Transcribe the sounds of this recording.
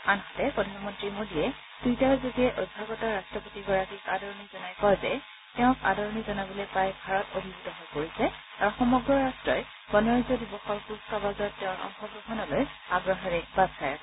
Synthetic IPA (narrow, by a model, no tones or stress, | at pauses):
anɦɔtɛpɹɔdʱanmɔntɹimodiɛ | d̥ujtaɹzoɡiɛʔodʱːaɡɔtaɹastɹɔpotiɡɔɹakikadɔɹɔnizɔnajkɔɹzɛ | teʊ̃ka̰dɔɹɔnizɔnabɔlopajbʱaɹɔtobʱibudɔɦojpoɹisɛ | aɹuxɔmɔɡɹɔɹastɹɔj | b̥ɔnɔɹizɔdibɔxɔɹpuskabazɔtːɛʊ̃ɹɔ̰ŋxɔbɔxɔnɔlojaɡɹɔɦɔɹɛb̥az̥kaja